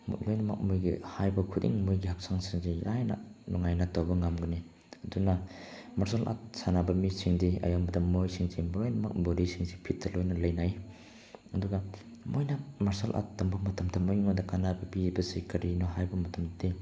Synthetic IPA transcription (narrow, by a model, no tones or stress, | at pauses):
m̰lojnɐmak̚mujɡihajbɐkʰudḭŋmojɡihak̚saŋsiŋziajna̰nɔŋajnatawbɐŋamɡuni | ɐdunɐmɐɾsalʔa̰t̚sanabɐmisiŋdiɐ̰jambɐdɐmojsiŋzimlojnɐma̰k̚boɾisiŋsipʰit̚dɐlojnɐlɐjnaj | ɐduɡɐ | mojnɐmaɾsalʔa̰tdɐmbɐmɐtʰɐmtʰɐmojŋajdɐkanabɐpibɐsikɐɾinɔɦajbɐmɐtʰɐmdi